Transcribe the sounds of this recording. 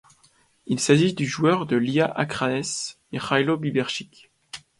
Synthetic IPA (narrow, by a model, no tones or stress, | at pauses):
ilsaʒisd̪yʒuœʁd̪əliaʔakχanɛs | eʁajlobibɛʁʃik